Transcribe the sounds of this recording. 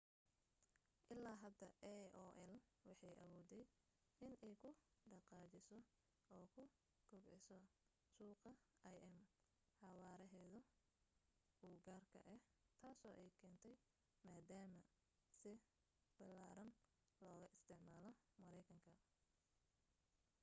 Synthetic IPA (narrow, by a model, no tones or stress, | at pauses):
ʔɪlːaːɦɐd̪ɐʔɔːʔɛlwɑħɑjʔɐ̰βuːd̪ɛj | ɪnɛjkʰʊɖɑqɑːt͡ʃɪsɔ | ɔːkʰʊ | ɡ̥ʊɡʕɪsɔ | suːqɐɐjʔɛm | ħɑwaːɾɛɦɛːðʊ | uːɡaːrkʰɐ̰ʔɛht̪ʰaːsɔːʔɛjkʰɛːnt̪ʰɛj | maːd̪aːmɐ | sɪ | bɐlaːɾɐn | lɔːɣɐʔɪst̪ʰɪʕmaːlɔmɐɾɛjkʰɐŋkʰɐ